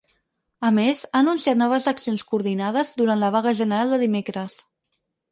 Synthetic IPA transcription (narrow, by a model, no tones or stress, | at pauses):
əmezaːnunsiat̪nɔβ̞əzəksionskuɾðinað̞əzd̪uɾant̪ləβ̞aɣəʒənəɾalˠd̪əðimekɾəs